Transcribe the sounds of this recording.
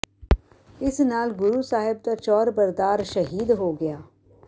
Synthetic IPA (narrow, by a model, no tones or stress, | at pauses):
ɪsnaːlɡʊɾuːsaːɦɪb̚t̪at͡ʃɔːɾbəɾd̪aːɾʃəɦiːd̪ɦoːɡɪjaː